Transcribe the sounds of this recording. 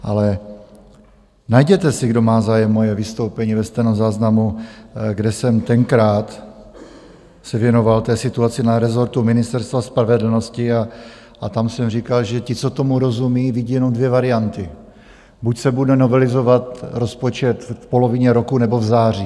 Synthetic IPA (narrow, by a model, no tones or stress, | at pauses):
ʔalɛ | najɟɛt̪ɛsɪɡdo̞maːzaːjɛmːo̞jɛvɪst̪o̞wpɛɲiːvɛst̪ɛnozaːznamuɡdɛsɛmt̪ɛŋkɾaːt̪ | sɛvjɛno̞valt̪ɛːsɪt̪uat͡sɪnaɾɛzo̞ɾt̪umɪnɪst̪ɛɾst̪vaspɾavɛdl̩no̞scɪa | ʔat̪amsɛmr̝iːkalʒɛcɪt͡so̞t̪o̞muɾo̞zumiːvɪɟiːjɛno̞mdvjɛvaɾɪant̪ɪ | bucsɛbudɛno̞vɛlɪzo̞vat̪ɾo̞spot͡ʃɛt̪fpo̞lo̞vɪɲɛɾo̞kunɛbo̞vzaːr̝iː